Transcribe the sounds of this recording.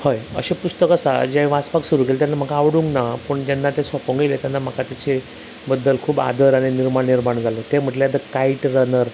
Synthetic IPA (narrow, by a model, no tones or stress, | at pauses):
hojə̰ɕepust̪əkəsa̰d͡ʑẽʋaspaksuɾukelt̪janːam̤əkaːʋɽũŋknapəɳd͡ʑjanːat̪esɔpəŋɡəlet̪janːam̤əkʰat̪jat͡ɕe | bəd̪ːəlkʰuːba̰d̪əɾaɽ̃iniɾmaɳniɾmaɳd͡zʱalot̪em̤əʈlejad̪əkaiʈɾənəɾ